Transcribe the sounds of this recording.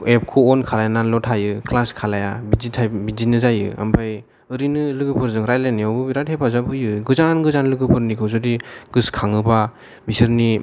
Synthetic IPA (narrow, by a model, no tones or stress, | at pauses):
ep̚kʰuɔnkʰalajananlɔtʰajɯklaskʰalajabizitʰabizinɯzajɯ̰a̰mpʰaj | ɯɾinɯlɯɡɯpʰɯɾzɯŋɾajleniawbɯbiɾathebazabɯjɯɡɯzanɡɯzanlɯɡɯpʰɯɾnikʰɯwzɔdiɡɯskʰaŋɯba | misɯɾni